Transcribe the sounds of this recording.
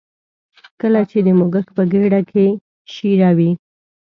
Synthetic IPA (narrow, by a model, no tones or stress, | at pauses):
kəlat͡ʃed̪əmoɡəxpəɡeɽakʰe | ʃiɾawi